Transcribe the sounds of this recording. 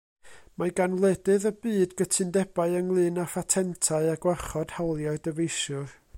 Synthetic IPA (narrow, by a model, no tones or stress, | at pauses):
maɡanlˠɛdɨðəbɨːdɡətʰɨndɛbaɨəŋlˠɨːnafatʰɛntʰaɨaɡwaχɔd̥halˠjaɨdəvejʃʊr